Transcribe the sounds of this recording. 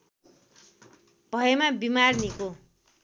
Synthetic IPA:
bʱʌjemabimarniko

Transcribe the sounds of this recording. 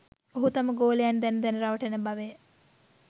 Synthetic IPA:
oɦut̪aməɡoːlejand̪ɛnd̪ɛnəɾaʋəʈənəbaʋe

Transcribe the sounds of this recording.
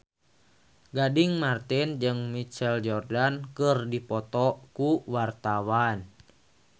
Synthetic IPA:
ɡadiŋmart̪ind͡ʒɨŋmit͡ʃɛld͡ʒɔrdankɨrdipɔt̪ɔkuwart̪awan

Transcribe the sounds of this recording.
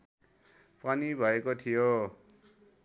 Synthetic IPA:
panibʱʌekot̪ʰijo

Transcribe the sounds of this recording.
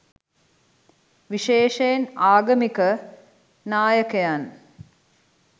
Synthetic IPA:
ʋiʃeːʃejnaːɡɐmikə | naːjəkejan

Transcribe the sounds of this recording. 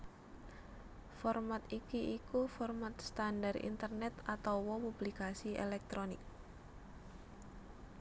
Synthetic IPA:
fɔrmat̪ikiʔikufɔrmat̪st̪andarḭnt̪ərnɛt̪at̪awwɔpublikasiḛlɛk̚t̪ɾonɪk̚

